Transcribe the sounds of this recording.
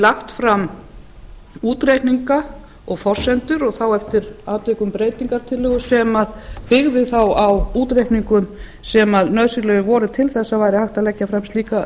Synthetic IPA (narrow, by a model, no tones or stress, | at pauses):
laxt̪fɾam | uːt̪ɾejhk̪niŋka | ɔɣfɔr̥sɛnt̪ʏɾɔɣθawɛft̪ɪɾaːt̪ʏːkʏmpɾeːjt̪iŋkaɾ̥t̪ʰɪlːʏɣʏsɛmaðpɪɣðɪθawawuːt̪ɾejht̪niŋkʏm | sɛmaðnœðsɪɾlœɣʏvɔːɾʏt̪ʰɪlθɛsːavaːjɾɪhaxht̪aðlɛcːafɾamst̪liːka